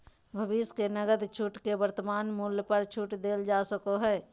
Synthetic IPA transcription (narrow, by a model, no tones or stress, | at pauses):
bʱəbiskenəɡəd̪t͡ʃʰuʈkebəɾt̪əmaːnmuljəpəɾt͡ʃʰuʈd̪eːld͡ʒasəkoɦɛː